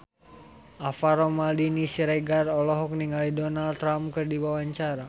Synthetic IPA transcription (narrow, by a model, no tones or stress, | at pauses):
ʔafaɾɔmaldinisiɾɛɡarɔlɔɦɔk̚niŋalidɔnald̪t̪ːɾamkɨrdiwawaɲt͡ʃaɾa